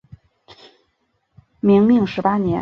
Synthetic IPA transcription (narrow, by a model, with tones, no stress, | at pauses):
mi˧˥ŋmi˥˩˧ŋʂɻ̩˧˥pa˥njɛ˧˥